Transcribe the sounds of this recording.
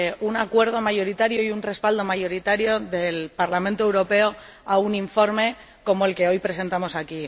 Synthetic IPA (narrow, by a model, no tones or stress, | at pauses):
unakwe̞ɾð̞o̞maʝo̞ɾit̪aɾjoiunre̞spald̪o̞maʝo̞ɾit̪aɾjo̞ðe̞lpaɾlamẽnt̪oewɾo̞pe̞o | auniɱfo̞ɾme̞ | ko̞mo̞e̞lke̞o̞jpɾe̞se̞nt̪amo̞saki